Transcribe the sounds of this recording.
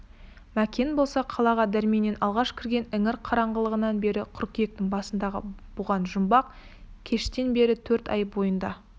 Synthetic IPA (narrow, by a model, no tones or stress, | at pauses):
mækʲe̞nbo̞lˠsɑqʰɑlˠɑʁɑd̪æɾmene̞nɑlˠʁɑʃkʲʰɪɾɡʲe̞nɪŋɪɾqʰɑɾɑɴʁəlˠəʁənɑnbe̞ɾɪqʰʊɾkʲije̞k̚t̪ɪŋbɑsənd̪ɑʁə̰b̥ʊʁɑnʒʊmbɑq̚ | kʲʰe̞ʃt̪e̞nbe̞ɾɪt̪ʰɵɾt̪ɑ̰jbo̞jənd̪ɑ